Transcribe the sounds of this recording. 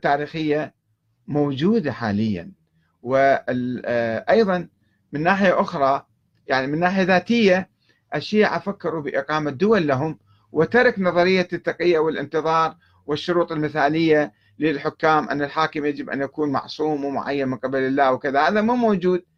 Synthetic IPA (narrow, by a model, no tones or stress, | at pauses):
t̪ːaːɾiːxɪjːa | mowd͡ʒuːd̪aħa̰ːlɪjːa̰n | wɪ | ʔɑjðˤɑn | mɪnːaːħɪjaʔʊxɾˤɑ | jaʕnimɪnːaːħɪjaðaːt̪ɪjːa | ʔaʃːiːʕʔafakːɪɾubɪʔɪqɑːmad̪ːʊwalːaɦʊm | wʔɪt̪ɑɾˤɑknɑðˤɑɾɪjːat̪ːɑqɪjːawɪlʔɪnt̪ɨðˤɑːɾˤ | wɪʃːʊɾuːt̪ˤɪlmɪθaːlɪjːa | lɪlħʊkːaːmʔa̰nːalħaːkɪmjad͡ʒɪbʔa̰njakuːnmɑ̰ʕsˤuːmwmʊ̰ʕa̰jːanmɪnqɪbalɪlːaːwkɪðahaːðamumoːd͡ʒuːd̪̚